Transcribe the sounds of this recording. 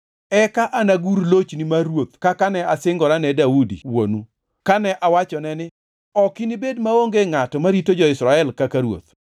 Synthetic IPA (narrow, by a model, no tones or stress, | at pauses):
ɛkaʔanaɡuɾlot͡ʃnimaɾwot̪kakanɛasɪŋɡɔɾanɛdaudḭwo̰nu | kanɛʔawat͡ʃɔnɛnɪ | ɔkinibedmaoŋɡeŋatɔmaɾitod͡ʒɔɪsɾaɛlkakaɾwo̰t̪